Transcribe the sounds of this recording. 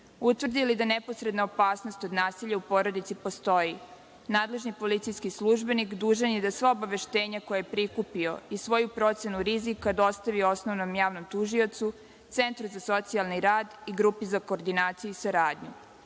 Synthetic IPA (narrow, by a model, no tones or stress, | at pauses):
ut̪ʋrd̪ilid̪anepo̞sɾe̞d̪naopaːsno̞st̪o̞d̪naːsiʎaupo̞ɾo̞d̪it̪sipo̞st̪o̞ji | naːd̪le̞ʒnipo̞lit̪sijskisluʒbe̞nikd̪uːʒenjed̪asʋaobaʋe̞ʃt̪e̞ːɲakojajepɾikupio̞̰isʋo̞jupɾo̞t̪se̞nuɾizikːad̪o̞st̪aʋio̞sno̞ʋnomjaːʋnomt̪uʒio̞t̪su | t̪se̞nt̪ɾuzaso̞t̪sialˠniɾaːd̪iɡɾupizako̞ːɾd̪inaːt̪sijuisaɾaːd̪ɲu